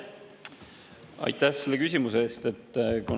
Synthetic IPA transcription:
ɑ̰jt̪æhse̞lːe̞kysʲimuse̞eːst̪e̞t̪ːkun

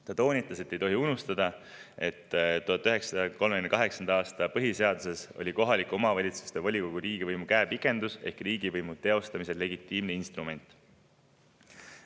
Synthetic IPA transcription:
t̪ɑt̪o̞ːnʲit̪ːˑɑse̞t̪ːe̞jt̪o̞ɦiunust̪ɑd̪ɑ | e̞t̪ːt̪ːuɦɑt̪ːˑyɦe̞ksɑɑko̞lmekynekɑɦe̞ksɑnd̪ɑɑːst̪ɑpɤɦise̞ɑd̪̥use̞so̞̰lʲiko̞ɦɑlʲikːˑo̞mɑvɑlʲit̪su̥st̪evɑlʲiko̞ɡ̥uɾiːɡ̥ivɤjmukæːpikːˑe̞nd̪̥use̞hkriːɡivɤjmut̪e̞o̞st̪ɑmise̞le̞ɡit̪ːˑiːmneinst̪rume̞nʲt̪ˑ

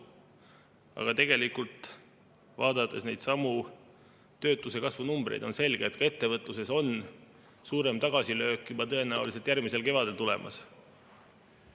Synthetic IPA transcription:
ɑ̰ɡ̥ɑt̪e̞ɡe̞likult̪ˑ | vɑːd̪ɑt̪ːˑe̞̰snejd̪̥sɑmu | t̪ø̞ːt̪ˑːuse̞kɑsvunumb̥ɾejd̪onse̞lɡ̥eːt̪̚ːˑkɑe̞t̪ːevɤt̪ˑluse̞so̞n | suːɾe̞mt̪ɑɡ̥ɑsilø̞ːkːjubɑt̪ɤe̞næuliset̪jærmise̞lke̞vɑd̪e̞lt̪ule̞mʔɑ̰s

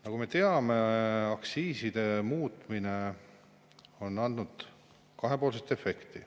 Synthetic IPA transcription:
nɑkume̞t̪e̞ɑme̞ɑksiːsid̪̥e̞muːt̪ˑmine̞ | o̞nːɑnd̪nud̪̥ | kɑɦe̞poːlset̪ːe̞fe̞kt̪i

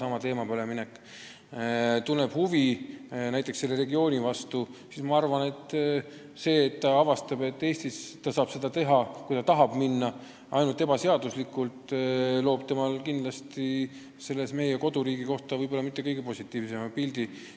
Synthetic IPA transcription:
sɑmɑt̪eːmɑpoleminekːˑ | t̪unːe̞b̥huvinæjt̪ːˑekse̞lːe̞ɾe̞ɡio̞ːnʲivɑst̪usismɑɑrvɑne̞t̪ːˑ | se̞ːt̪ːɑɑvɑst̪ɑbe̞t̪ːe̞ːst̪ist̪ɑsɑːb̥se̞d̪̥ɑt̪e̞ɦɑkujt̪ɑt̪ɑɦɑbminːɑ | ʔɑ̰jnult̪e̞bɑse̞ɑd̪̥uslikːˑult̪lo̞ːb̥̚t̪e̞mɑlkind̪lɑst̪i | se̞lːe̞sme̞jeko̞d̪̥uɾiːɡiko̞ht̪ɑvɤjbo̞lːɑmit̪ːe̞kɤjɡepo̞sʲit̪ːˑiːvse̞mɑpild̪̥i

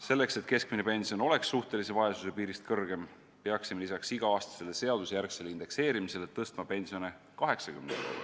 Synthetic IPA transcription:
se̞lːe̞kse̞t̪ke̞skmine̞pe̞nsiono̞le̞ksːuht̪e̞lise̞vɑesu̥se̞piːɾist̪kɤrɡ̥e̞m | peɑksimelisɑksiɡ̥ɑɑːst̪ɑ̥se̞le̞se̞ɑd̪̥usjærkse̞lind̪̥e̞kse̞ːɾimise̞let̪ːɤst̪mɑpe̞nsio̞ne̞ | kɑɦe̞ksɑkymne

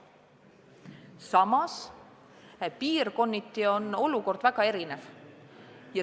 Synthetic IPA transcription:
sɑmɑs | piːrko̞nːit̪ːˑio̞no̞luko̞rd̪̥væɡ̥ɑe̞ɾinev | jɑ

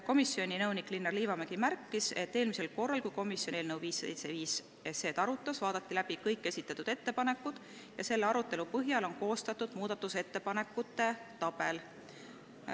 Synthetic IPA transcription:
ko̞misːio̞nʲinɤwnikːˑlinːerliːvɑmeɡ̥imærkːiset̪ːe̞ːlmise̞lko̞rːɑlkujko̞misʲjo̞nelnɤwviːsːḛjt̪seviːs | ese̞ːt̪ɑɾut̪ˑːɑsvɑːd̪ɑt̪ːilæb̥ikɤjkˑːe̞sʲit̪ːˑɑt̪ːˑud̪̥e̞t̪ːe̞pɑne̞kːˑud̪̥ | jɑse̞lːeɑɾut̪ːˑe̞lupɤɦjɑlo̞nko̞ːst̪ɑt̪ːˑud̪̥muːd̪̥ɑt̪ːˑuse̞t̪ːe̞pɑne̞kːˑut̪ːe̞t̪ɑb̥e̞l

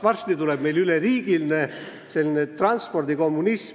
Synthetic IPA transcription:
ʋɑrst̪it̪uleb̥me̞jlyleriːɡ̥ilne | se̞linet̪rɑnspo̞rd̪̥iko̞mːunis

